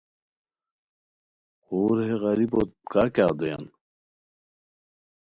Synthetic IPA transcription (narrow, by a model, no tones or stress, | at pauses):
oːɾɦeɣɐɾibot̪kakaːd̪oja̰n